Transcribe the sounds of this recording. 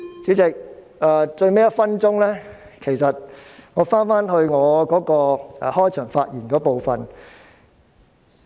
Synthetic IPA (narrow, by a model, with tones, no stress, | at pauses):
t͡syː˨˥t͡sɪ˨k̚ | ʔɛː˨˧t͡sɵ˧ɥme˥jɐ˥t̚fɐ˥nt͡sʊ˥ŋlɛː˥ | kʰe˨˩jsɐ˨t̚ŋɔː˨˧faː˥nfaː˥nɦɵ˧ɥŋɔː˨˧kɔː˨˥kɔː˧ɛ̰˨hɔː˥jt͡ʃʰœː˨˩ŋfaː˧t̚jiː˨˩nkɔː˨˥po˨˧wfɐ˨n